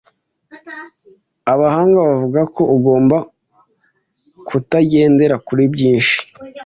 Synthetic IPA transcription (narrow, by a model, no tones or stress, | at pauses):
aβahaːŋɡaβavuɡako̞ʔuɡo̞ːmba | kʰutaɟe̞ːnde̞ɾakuɾibɟiːnʃi̥